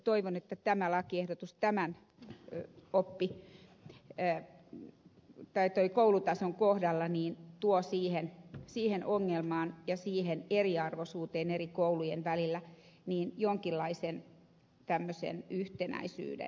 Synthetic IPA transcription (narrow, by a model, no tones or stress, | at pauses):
t̪oiʋonet̪ːæt̪æmælɑkiehdot̪ust̪æmæn | opːi | t̪ɑit̪oikoulut̪ɑsoŋkohdɑlːɑniːnt̪uosiːhensiːhenʔoŋːelmɑːnjɑsiːheneriɑrʋosuːt̪eːnerikoulujenʋælilːæ | niːnjoŋkilːɑisen | t̪æmːøsḛnyht̪enæ̰isy̰ːdḛn